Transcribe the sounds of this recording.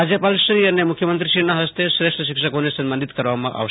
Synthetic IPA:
ad͡ʒepalsɾiɐnːemʊkʰjəmənt̪ɾiʃinãɦɐst̪esɾeʂʈəʃɪkʃəkonesɐmbənd̪it̪kəɾʋamã̰ʔa̰ʋ

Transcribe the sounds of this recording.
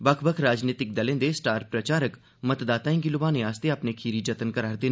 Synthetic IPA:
bəkʰbəkʰɾaːd͡ʒniːt̪ɪk̚d̪əlẽːd̪esʈaːɾpɾət͡ʃaːɾək | mət̪d̪aːt̪aːĩɡilʊbaːnẽaːst̪eapneːkʰiːɾiːd͡ʒət̪ənkəɾaːɾd̪eːn

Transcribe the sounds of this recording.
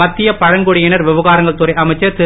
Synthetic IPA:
ɐt̪ːɪjɐpɐɻɐŋɡuɽɪjɪnɐɾʋɪʋɐɣaːɾɐŋɡɐɭt̪ʊɾɐɪʔɐmɐɪt͡ʃːɐɾt̪ɪ

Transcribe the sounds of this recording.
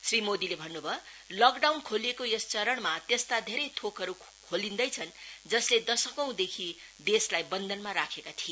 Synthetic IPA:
srimod̪ilebʱʌnːubʱʌlʌkɖawnkʰolekojest͡sʌɾʌɳmat̪est̪ad̪ʱeɾʌjt̪ʰokɦʌɾu | kʰolind̪ʌjt͡sʰʌnd͡zʌsled̪ʌsʌkʌw̃d̪ekʰi | d̪eslajbʌnd̪ʱʌnmaɾakʰekat̪ʰie

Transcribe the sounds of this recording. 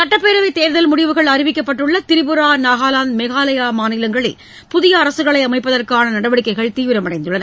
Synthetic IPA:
sɐʈːɐpːeːɾɐʋɐɪt̪eːɾðɐlmʊɽɪʋɯɣɐɭɐɾɪʋɪkːɐpːɐʈːɯɭːɐt̪ɪɾɪbɯɾaːnaːɣaːlaːnmɛɣaːlɐjaːmaːnɪlɐŋɡɐɭɪ̰l | pʊðɪjɐːɾɐsɯɣɐɭɐɪɐmɐɪpːɐðɐrkaːnɐnɐɽɐʋɐɽɪkːɐɪɣɐɭt̪iːʋɪɾɐmɐɽɐɪnd̪ɯɭːɐnɐ

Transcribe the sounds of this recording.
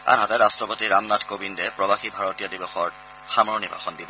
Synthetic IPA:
a̰nɦatɛɹastɹɔpotiɹamnatʰkobindɛpɹɔbaxibʱaɹotijadibɔxɔɹ | xamɔnibʱa̰xɔndib

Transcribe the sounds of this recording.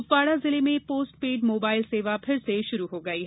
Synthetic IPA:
ʊpːaːɽazɪlemẽpoːsʈ̚peːɖmoːbaːɪlseːʋapʰɪɾseʃʊɾuɦoɡɐiɦɛ

